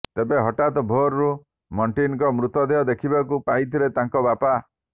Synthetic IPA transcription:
t̪ebeɦɔʈat̪ɔbʱoɾɾu | mɔɳʈinɔkɔmɾut̪ɔd̪eɦɔd̪ekʰibakupait̪ʰilet̪ãŋkɔbapa

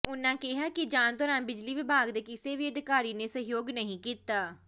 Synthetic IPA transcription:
ʊnãːkɪɦaːkɪd͡ʒaːnd̪ɔːɾaːnbɪd͡ʒliːʋɪbʱaːɡd̪eːkɪseːʋiːəd̪ɪkaːɾiːneːsəɦjoːɡnəɦĩːkiːt̪aː

